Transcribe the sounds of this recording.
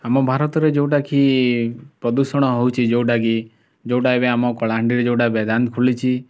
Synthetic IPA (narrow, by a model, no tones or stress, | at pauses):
amõbʱaɾət̪ɾed͡ʒoʈakʰi | pɾəd̪usəɽ̃ɔɦɔut͡ʃʰid͡ʒoɖaki | d͡ʒoːɖaebeamokɔlaɳɖiɾed͡ʒoːɖabɛd̪ankʰulit͡ʃʰi